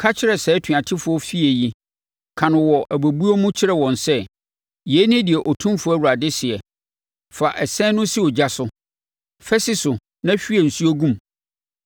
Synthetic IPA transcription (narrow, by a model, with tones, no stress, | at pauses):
kʰa˦t͡ɕʰɪ˦ɾɛ˨sɛ˨˦tʰɥa˨tʰɪ˦fʊ˨˦ɔ˦fi˦e˨ji˦ | kʰã˨nʊ̃˨wɔ˨ʔæ˨bæ˨bu˦o˦mʊ̃˦t͡ɕʰɪ˦ɾɛ˦wɔ̃˨nsɛ˦ | jɛ˨˦nɪ̃˦dɪ˨ɛ˨ʔɔ˨tʰũ˦mfʊ˨˦æ˦wu˨ɾa˨dɪ˦sɪ˨ɛ˨ | fa˨ʔɛ˨sɛ̃˦nʊ̃˦si˦ɔ˨d͡ʑa˦sʊ˦ | fɛ˦sɪ˦sʊ˨ | nã˦ɕᶣi˦ɛ˨n̩˨su˦o˦ɡũ˦m